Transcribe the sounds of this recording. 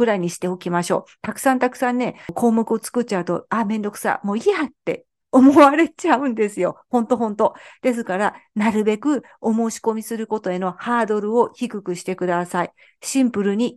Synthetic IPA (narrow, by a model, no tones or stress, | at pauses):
ɯ̟ɾaiɲ̟iɕi̥t̪e̞o̞kʲimaɕo̞̰ːt̪akɯ̟̥sãnt̪akɯ̟̥sãnːe̞kʰo̞ːmokɯ̟o̞t͡sɨ̥kɯ̟t̚t͡ɕːaɯ̟t̪o̞̰amẽ̞nd̪o̞kɯ̟̥sa̰mo̞ːiat̪ːe̞̰ | omoβaɾe̞t͡ɕaɯ̟̃nd̪e̞sɨjo̞̰hõ̞nt̪o̞ɦõ̞nt̪o̞d̪̥e̞s̬ɨkaɾanaɾɯ̟be̞kɯ̟ | o̞mo̞ːɕi̥ko̞mʲisɨɾɯ̟ko̞t̪o̞e̞no̞haːd̪o̞ɾɯ̟o̞çikɯ̟kɯ̟ɕi̥t̪e̞kɯ̟d̪asai | ɕĩmpɯ̟ɾɯ̟ɲ̟i